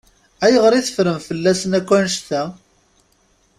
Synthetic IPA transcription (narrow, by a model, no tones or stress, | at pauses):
æjəʁɾiθə̥fɾəmfəlːæsənækʷːænʃt̪æ